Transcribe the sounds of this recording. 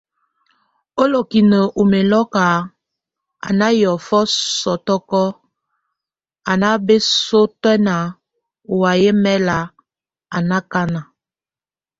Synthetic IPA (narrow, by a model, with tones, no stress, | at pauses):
o˦lo˨ki˨nə˨ʔu˨me˨lɔ˦ka˨ | a̰˨na˦jɔ˨fɔ˦sɔ˨tɔ˦kɔ˦ | a˨na˦be˦so˦twɛ˦na˨ | u˨wa˨je˦mɛ˦la˨ | a˨na˦ka˦na˨